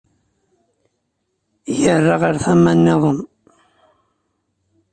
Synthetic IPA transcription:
jərːɑʁəɾθæmːænːeðˤən

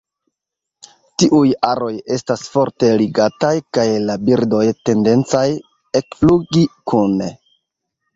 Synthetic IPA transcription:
tiʔujaɾo̞je̞stasfo̞ɾte̞liɡatajkajlabiɾdo̞jte̞nde̞nt͡saj | e̞kfluɡikune

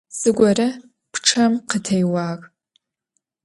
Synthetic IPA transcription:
z̥ɨɡʷɐɾɐ | pʰʈ͡ʂʰɐmqʰətʰɐjwaːkʼ

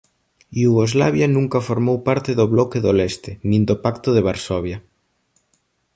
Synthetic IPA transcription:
juɣozlaβjanũŋkɐfoɾmowpaɾt̪ɪðoβlɔkeðolest̪ɪnĩnd̪opakt̪oðeβ̞aɾsɔβja

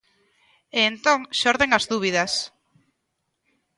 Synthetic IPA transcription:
eːnt̪õŋʃɔɾðeŋazðuβ̞iðɐs

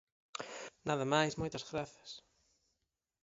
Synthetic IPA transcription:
naðɐmajsmojt̪ɐzɣɾaθɐ̥s

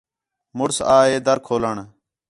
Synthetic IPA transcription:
mʊɽsaːɦeːd̪əɾkʰoːləɳ

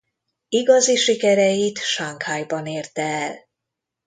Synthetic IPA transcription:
iɡɒziʃikɛɾɛjit̪ʃaŋkhajbɒneːrt̪ɛːl

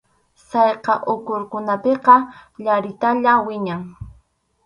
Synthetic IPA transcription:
sɑjqɑʔʊkʊɾkʊnapeqɑʎaɾɪt̪aʎawɪɲaŋ

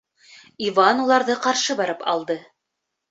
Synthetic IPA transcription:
ivɑnulˠɑɾðɤqɑɾʃɤbɑɾɤpɑ̰lˠd̪ɤ

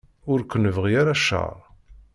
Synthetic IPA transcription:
ʊɾkʷːənəvʁiaɾaʃə̰ʁˤ

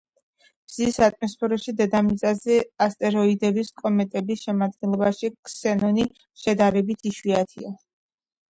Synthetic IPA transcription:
b̥z̥isat̪ʼmɔspʰɛɾɔʃid̪ɛd̪amit̪sʼazɛast̪ʼɛɾɔid̪ɛbiskʼɔmɛt̪ʼɛbisʃɛmad̪̚ɡɛnlˠɔbaʃikʼsɛnɔni | ʃɛd̪aɾɛbit̪ʰiʃwiat̪ʰia

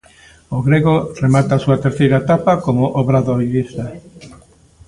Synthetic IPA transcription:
oɣɾeɣoremat̪aːsuat̪eɾθejɾaet̪apakomoʔoβɾaðojβist̪a

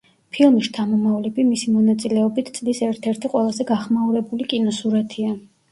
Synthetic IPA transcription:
pʰilˠmist̪ʰamɔmavlɛbimisimɔnat̪sʼilɛɔbit̪ʰt̪sʼlisɛɾt̪ʰɛɾt̪ʰiqʼwɛlˠazɛɡaχmauɾɛbulikʼinɔsuɾat̪ʰia

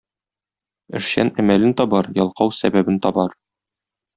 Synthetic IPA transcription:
ɘ̰̆ʃɕænæmælɘnt̪ɒbɑɾjɒlˠqɑwsæbæbɘnt̪ɒbɑɾ

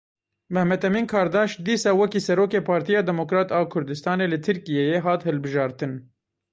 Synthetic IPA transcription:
mɛhmɛt̪ɛmiːnkʰɑːɾd̪ɑːʃd̪iːsɑːwɛkiːsɛɾoːkeːpʰɑːɾt̪ʰijɑːd̪ɛmokɾɑːt̪ɑːkʰʊɾd̪ɨst̪ɑːneːlɨt̪ʰɨɾkijejeɦɑːt̪hɨlbɨʒɑːɾt̪ɨn

